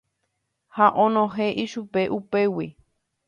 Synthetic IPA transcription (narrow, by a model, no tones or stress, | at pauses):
haʔõnõɦeʔiʃupeʔupewi